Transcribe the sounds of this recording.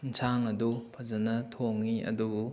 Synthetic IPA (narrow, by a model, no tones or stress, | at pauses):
nsʰaŋɐdupʰɐzɐnɐtʰoŋːiʔɐ̰dubu